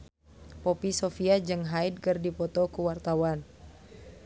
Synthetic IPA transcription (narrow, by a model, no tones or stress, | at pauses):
pɔpisɔfiad͡ʒɨŋɦaid̚kərdipɔt̪ɔkuwart̪awan